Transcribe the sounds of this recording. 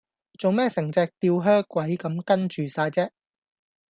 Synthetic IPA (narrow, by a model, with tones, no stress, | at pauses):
t͡so˨wmɛː˥sɪ˨˩ŋt͡sɛː˧k̚t̪iː˧wɦœː˥kʷːwɐ˨˥jkɐ˨˥mkɐ˥nt͡ʃyː˨saː˧jt͡sɛː˥